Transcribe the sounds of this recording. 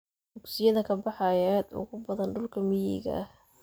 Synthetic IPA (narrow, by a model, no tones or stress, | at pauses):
dʊksɪjɐðɐkʰɐbɑħɑjɛːd̪ʊ̰ɣʊbɐðɐnɖʊlkʰɐmɪjḭːɣɐ̰ʔɐh